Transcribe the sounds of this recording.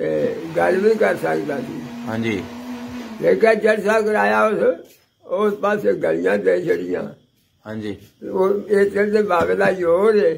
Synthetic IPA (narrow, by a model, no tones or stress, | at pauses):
eːɡəlʋiːkəɾsəkd̪aːsḭːɦãd͡ʒiː | d͡ʒeːkɛd͡ʒəɾsaːkəɾaːjaːʊs | ʊspaːseɡəlɪjãːd̪eit͡ʃʰəɽɪjã̰ː | ɦãd͡ʒiː | eːt̪eld̪eːbaːʋeːlaːjoːɾeː